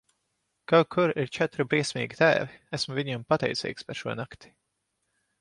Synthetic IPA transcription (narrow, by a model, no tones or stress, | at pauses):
kawkʰʊɾiɾt͡ʃɛt̪ɾibɾiɛsmʲḭːɡʲit̪æ̰ːviæsmʊviɲampat̪ɛ̰jt̪sɛ̰ːjkspɛɾʃuɔnakt̪i̥